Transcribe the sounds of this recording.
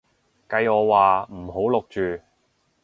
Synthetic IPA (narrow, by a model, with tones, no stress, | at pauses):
kɐ˧jɔː˨˧waː˨˩m̩˨˩ɦo˨˥wlʊ˨k̚t͡ʃyː˨